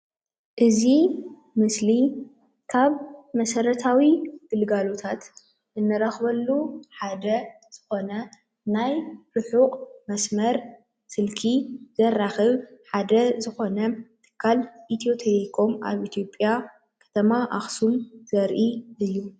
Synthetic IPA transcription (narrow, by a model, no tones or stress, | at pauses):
ʔɨzi | mɨsli | kʰaβmɐsɐɾɐt̪ʰawiɡ̥ɨlɡalo̞t̪ʰat̪ | ʔɨnːɨɾaxβɐlːuħad̪ɐ | z̥ɨxo̞nɐ | najɾɨħuqʼmɐsmɐɾ | sɨlkʰizɐraxɐβħad̪ɐzɨxo̞nɐt̪ʰɨ̥kʰːalʔit̪ʰijo̞t̪ʰelikʰo̞mʔa̰βit̪ʰjo̞pʼːja | kʰɐ̥t̪ʰɐmaʔaxsumz̥ɐɾʔiʔɨjːu